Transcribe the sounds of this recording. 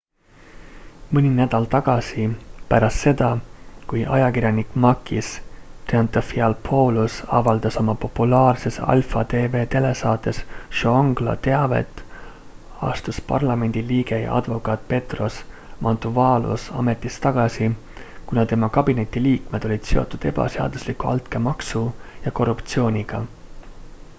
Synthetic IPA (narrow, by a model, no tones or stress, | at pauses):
mɨnʲinæd̪̥ɑlt̪ɑɡ̥ɑsipæ̰ɾɑst̪se̞d̪ɑkujʔɑjɑkiɾjɑnikmɑkːist̪reɑnt̪ofiɑlpʰo̞ːlusɑ̰vɑld̪̥ɑso̞mɑpo̞pːulɑːrse̞sɑ̰lfɑd̪e̞ːve̞ːt̪e̞le̞sɑːt̪ːˑe̞sʃooŋɡ̥lɑ̰t̪e̞ɑve̞̰t̪ːˑ | ɑ̰st̪uspɑ̰rlɑme̞nʲd̪̥iliːɡe̞jɑ̰ʔɑ̰d̪̥vo̞kɑt̪̚ˑpe̞t̪ro̞s | mɑnt̪uvɑːlʔṵsɑ̰me̞t̪ːˑist̪ɑɡ̥ɑsi | kunɑt̪e̞mɑkɑb̥ine̞t̪ːiliːkme̞d̪̥o̞lʲid̪̥se̞ot̪ːud̪̥e̞b̥ɑ̰seɑ̰d̪̥uslikuɑ̰lt̪ke̞mɑksujɑko̞rːupt̪sio̞ːnʲiɡ̥ɑ